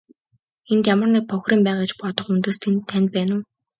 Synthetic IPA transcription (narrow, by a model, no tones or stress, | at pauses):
ent̪jamə̆rnek̚pʰɔxʲriːmpæːʁet͡ɕpɔt̪ɞ̆χunt̪oːst̪ʰent̪ʰːænʲt̪̚pæːnə̆w